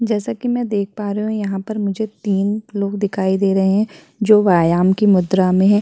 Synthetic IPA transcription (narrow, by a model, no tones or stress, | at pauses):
d͡ʒɛːsakimɛ̃d̪eːk̚paːɾɐɦũjɐɦãpɐɾmʊd͡ʒʱet̪iːnloːɡd̪ɪkʰaːid̪eːɾɐɦeɦɛ̃ | d͡ʒoːʋaːjaːmkimʊd̪ɾamẽɦɛ̃ː